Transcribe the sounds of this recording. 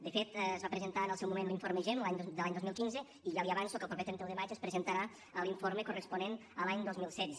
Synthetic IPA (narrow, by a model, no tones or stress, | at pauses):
d̪əfet̪ːzβapɾəzənt̪aənəlˠsɛwmumẽnliɱfoɾməʒɛmlaɲd̪əlaɲd̪ozmilˠkinzə | iʒaliaβansokəlˠpɾupet̪ɾɛnt̪ewðəmad͡ʒəspɾəzənt̪aɾa | əlˠiɱfoɾməkurəspunenəlaɲd̪ozmilˠsɛd̪d͡z